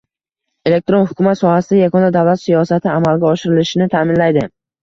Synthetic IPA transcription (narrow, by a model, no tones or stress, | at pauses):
e̞le̞k̚t̪ɾo̞nhʊkʰʲʊmat̪sɒhasɪd̪ajakʰɒnd̪ad̪avlat̪sijɒsat̪ʰɪamalɡʲaɒʃɪɾɪlɪʃɪnɪt̪ʰamɪnlajd̪ɪ